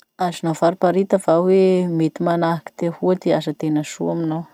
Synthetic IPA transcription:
azinafaɾipaɾit̪əvawemet̪imanaɦaki̥t̪ehuad̪easət̪enəsṵaminaw

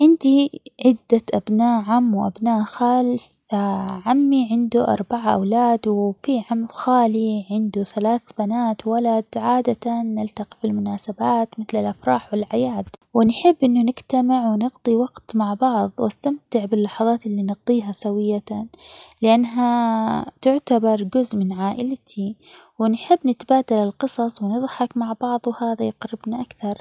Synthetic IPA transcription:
ʕɪnd̪iʕɪd̪ːaʔabnaːʔʕamːwʔa̰bnaːʔxaːlfaʕamːiʕɪnd̪uʔɑ̰ɾˤbaʕaʔa̰wlaːd̪wɪfiʕamxaːliʕɪnd̪uθalaːθbanaːt̪walad̪ʕaːd̪at̪anːɪlt̪aqi̥filmʊnaːsabaːt̪mɪθlɪlʔafɾˤɑːħwɪlʕajaːd̪wɪnħɪbːʔɪnːunɪɡt̪amɪʕwɪnɪɡt̪ˤiwɑɡt̪maʕbɑʕðˤwʔast̪amt̪ɪʕbɪlːɑħɑðˤɑːt̪ʔɪlːinɨɣt̪ˤiːɦasawɪjːa | lɪʔanːɦat̪ʊʕt̪abɑɾˤd͡ʒʊzʔmɪnʕaːʔɪlt̪ʰiwɪnħɪbːnɪt̪baːd̪alɪlqɨsˤɑsˤwɪnɨðˤħɑkmaʕbɑʕðˤwhaːðajɪqɾɪbnaʔakθɑɾˤ

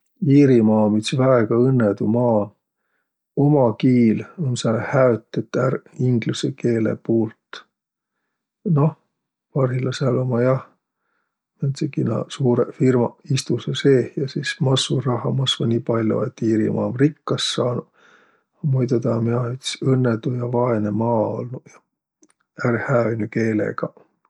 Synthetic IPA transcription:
iːɾimɑːmit̪svæeɡ̥ɑɤnːed̪umɑː | o̞mɑkiːlonsɑlhæøt̪ˑːet̪ːˑæriŋɡ̥luseke̞ːlḛpuːlt̪ | no̞h | vɑrhilɑsɑlomɑjɑh | ment̪sekinɑ̰suːɾefirmɑist̪useseːhjɑsiːsmɑsːurɑɦɑmɑsvɑnʲiːpɑlʲjo̰et̪ːiːɾḭmʔɑ̰ːmrikːɑsːɑːnu | ɑmojt̪et̪ɑmiɑt̪sɤnːet̪ujɑvɑenemɑːo̰lnujɑ | ærhæonʲuke̞ːlḛɡ̥ɑ

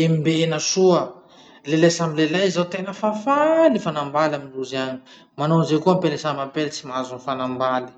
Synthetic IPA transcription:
emibenasuə | lelajsamilelajizawt̪enəfafalifanambalaminluziaɲi̥ | manozekuampelisamampelit͡simazunfanambali̥

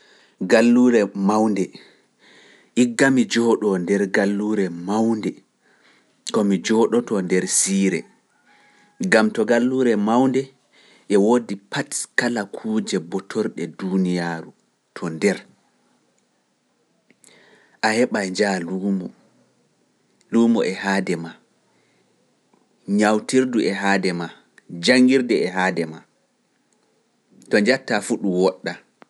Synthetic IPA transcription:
ɡalːuɾɛmawndɛ | ʔiɡːamid͡ʒɔɗɔndɛɾɡalːuːɾɛmawndɛ | kɔmid͡ʒɔɗɔtɔndɛɾsiːɾɛ̰ | ɡamtɔɡalːuɾɛmawndɛ | ʔɛwodipʰatkalakʰuːd͡ʒɛbɔtʰɔɾɗɛdunijaːɾu | tʰɔndɛɾ | ʔahɛɓajɲd͡ʒalumɔ | lumɔʔɛhaːdɛma | ɲawtiɾduʔɛɦaːdɛma | d͡ʒaŋɡiɾdɛɛɦaːdɛma | tɔɲd͡ʒatːafuɗuwɔɗːa

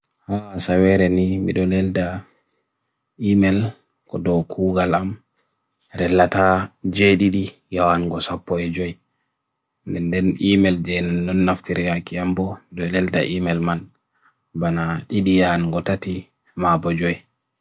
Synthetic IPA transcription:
hasawɛɾɛnimḭɗɔlɛlda | imɛl | kɔdɔkʰuːɡalam | ɾɛlːatad͡ʒeɗiɗi | jawanɡɔsapːɔɛd͡ʒɔj | ndɛndɛnimɛld͡ʒɛnandɔnːaftiɾɡakiambɔmiɗɔlɛlda̰ʔimɛlman | banaɗiɗijanɡɔtati | mabɔd͡ʒɔj

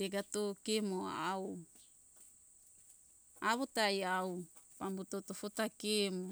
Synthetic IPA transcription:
teɡatokemoa̰aw | aβotajaw | pambutotofotakemo

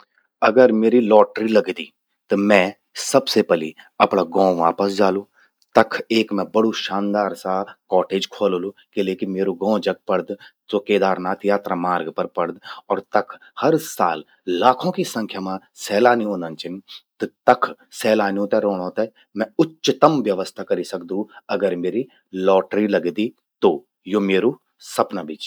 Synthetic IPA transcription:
əɡəɾmeːɾilɔːʈɾiləɡd̪iː | t̪əmɛ̃ː | səbsepɛliəpɳaɡɔ̃ːʋa̰ːpəsd͡ʒaːloː | t̪əkʰeːkmɛ̃bəɽuʃaːnd̪aːɾsaːkɔːʈeːd͡ʒkʰoːloːlokeleːkimeːɾoɡɔ̃ːd͡ʒəɡ̚pəɽd̪toːkeːd̪aːɾnaːt̪ʰjaːt̪ɾaːmaːɾɡpəɾpəɽd̪ɔːɾt̪ɐkʰ | hɐɾsaːlː | aːkʰõkisɐ̃ŋkʰjamã | sɛːlaːniõːnd̪ənt͡ʃɪnt̪t̪ɐkʰsɛːlaːnijũt̪ɛɾoːɽ̃õt̪ɛ | mɛ̃ʊtʃɪt̪əmʋjɐʋəst̪ʰakɐɾisɐk̚d̪ũɐɡəɾmeːɾi | lɔːʈɾilɐɡd̪i | t̪o | jomeːɾu | sɐpnabit͡ʃ

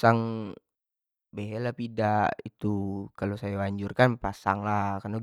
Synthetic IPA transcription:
saŋ | beɦelahpidaʔit̪ukalosajawaɲd͡ʒurkanpasa̰ŋlahkana

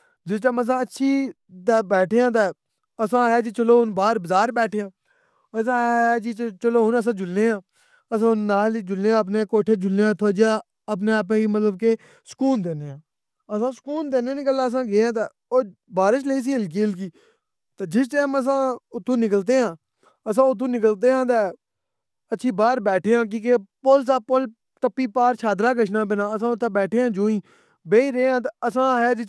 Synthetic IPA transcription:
d͡ʒɪst͡ʃaːməs̬ãːətːʃʰiː | d̪abɛːʈʰeːãːt̪aː | əsãːɛːd͡ʒiːt͡ʃəloːɦʊnbaːɾbəzaːɾbɛːʈʰeːãː | əs̬ãːd͡ʒiːt͡ʃt͡ʃəloːɦʊnəs̬ãːd͡ʒʊlːẽːãː | əs̬ãːʊnːaːlid͡ʒʊlːeːãːəp̬neːkoːʈʰeːd͡ʒʊlːeːãːt̪ʰoːd͡ʒaː | əp̬neːaːp̬ẽːimət̪ləbkeː | sə̥kuːnd̪eːneːãː | əsãːsə̥kuːnd̪eːnẽːnɪkəlaːəs̬ãːɡeːãːt̪aː | oːbaːɾɪt͡ʃleiːs̬iːəlk̬iːəlk̬iː | t̪aːd͡ʒɪst͡ʃeːməs̬ãːʊt̪ʰːũːnɪkəlt̪eːɦãː | əs̬ãːʊt̪ʰːõːnɪk̬əlt̪eːɦãːt̪ɛː | ətːʃʰiːbaːɾbɛːʈʰeːãːk̬ĩːkepolsaːpol | t̪əpːiːpaːɾt͡ʃʰaːd̪ɾaːkəʃnãːp̬eːnãːəsãːʊt̪ʰːãːbɛːʈʰeːãːd͡ʒoːĩː | beːiːɾeːãːt̪əsãːɦɛːd͡ʒɪ

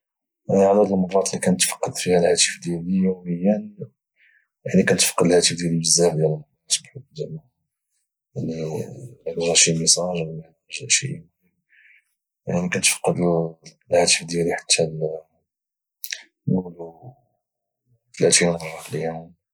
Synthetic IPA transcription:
ʕdæd̪əlmɑrˤːɑt̪likænət̪ːfɑ̥qːəd̪fihælhæt̪ə̥fd̪jælijuməjːæn | jaʕnikænt̪fqːəd̪əlhæt̪əfd̪jælibəzːæhfd̪jæləlmɑˤ | ɑt̪bħut̪d̪æla | jaʕnilæk̪ʒæʃiməsɑʒæænʒæ̰ʃḭmhəm | ja̰ʕnikænt̪fqːəd̪ | lhæt̪əfd̪jæliħḁt̪ʰːæl | nulu | t̪læt̪inɑrˤːɑfljæm

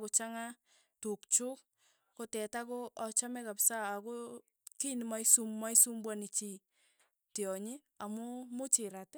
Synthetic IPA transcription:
kot͡ʃaŋa | tukt͡ʃuk̚ | kotɛtakoat͡ʃamɛkapsaːko | kinmaisummaisumbwanit͡ʃi | teɔɲe | amumʊt͡ʃɪɾat

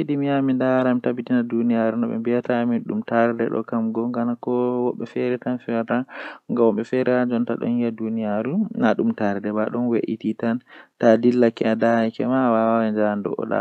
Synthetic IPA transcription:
idimiamindaɾamitabitinadunijaɾunɔɓɛ̰mbijataːmiɗṵmtaɾdɛ̰ɗɔ̰kamɡɔŋɡanakɔwɔɓːɛfɛɾɛtanfɛɾtaŋɡawɔɓɛfɛɾɛad͡ʒɔntaɗɔ̰niadunijaɾunaɗumtaɾdɛbaɗɔnweʔititantadilːakɛadajkɛmawawɛnd͡ʒandɔ̰ʔɔ̰ɗa̰

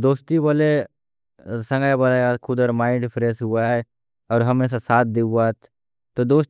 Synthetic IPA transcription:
d̪oːst̪ibəle | sɐ̃ŋɡəjbəlaakʰʊd̪ɔːɾmaːɪɳɖpɾeːsɦʊaɦɛ | ɔːɾɦɐmẽs̬asaːt̪̚ʰd̪eua | t̪od̪oːs

